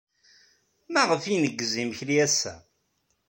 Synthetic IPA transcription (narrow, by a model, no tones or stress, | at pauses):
mæʁəfinəɡːzimçɾiæsæ̰